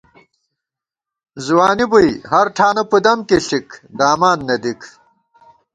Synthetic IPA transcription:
zwaːnibujhɐɾʈʰaːnɐpud̪ɐmkeɬikd̪aːmaːnːɐd̪ikʰ

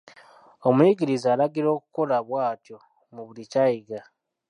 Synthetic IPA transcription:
o̞mwiɡiɾizaːlaɡiɾo̞ːkuko̞laβwaːtjo | muβulicaiɡa

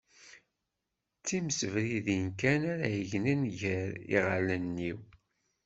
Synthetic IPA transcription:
t͡sːiməsəvɾiðinkænaɾæjəʝnənʝəɾḭʁalənːiw

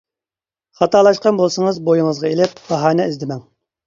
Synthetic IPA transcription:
χɑt̪ʰɑːlˠɑʃqɑnbolˠsɨŋəzbojiŋəzʁɑelɪp̚b̥ɑɦɑːnɛizd̪ɪmɛŋ

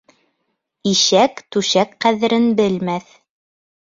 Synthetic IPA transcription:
iʃækt̪ʉʃækqæðɘ̆ɾɘnbɘlmæθ

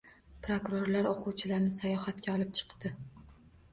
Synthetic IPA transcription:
pɾokʊɾoɾlaɾoqʰʊwt͡ʃʰɪlaɾnɪsajɒhat̪kʲʰaɒlˠɪp̚t͡ʃʰɨ̥qd̪ɪ

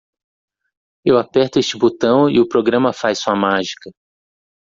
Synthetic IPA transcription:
ewapɛɾt̪ʊest͡ʃɪbot̪ɐ̃w̃ɪ̰ʊpɾoɡɾɐ̃mɐfajsuɐmaʒikɐ

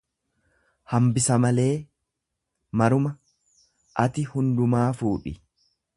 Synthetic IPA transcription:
hɐmbɪsɐmɐle̞ː | mɐɾʊmɐ | ʔɐt̪ɪhʊnd̪ʊmaːfuːᶑɪ̰

